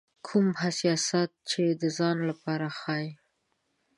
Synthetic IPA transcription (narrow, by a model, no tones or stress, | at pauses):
kʰumhasjɑsat̪̚t͡ʃed̪əzɑnlapɑɾaxɑj